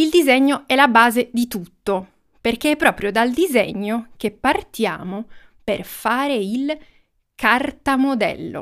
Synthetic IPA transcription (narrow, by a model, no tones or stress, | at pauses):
ild̪izɛɲːoɛlabaːzed̪it̪ut̪ːo | perk̟eɛpːɾɔːpɾjod̪ald̪izɛ̰ɲːok̟epːart̪ja̰ːmo | perfaːɾeil | kʰart̪amod̪ɛ̰lːo̰